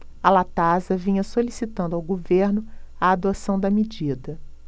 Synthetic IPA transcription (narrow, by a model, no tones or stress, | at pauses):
ɐlat̪azɐvĩɲɐsolisit̪ɐ̃nd̪awɡoveɾnʊɐad̪osɐ̃w̃d̪ɐmid͡ʒid̪ɐ